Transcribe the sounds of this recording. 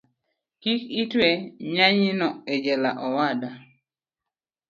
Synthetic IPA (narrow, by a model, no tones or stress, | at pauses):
kikitweɲaɲinɔed͡ʒɛla̰ʔɔwada